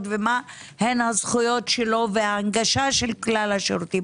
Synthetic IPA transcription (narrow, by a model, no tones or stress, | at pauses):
t̪vema | henhazχujo̞t̪ʃelo̞vehaːŋɡaʃaʃelklalhaʃeɾut̪im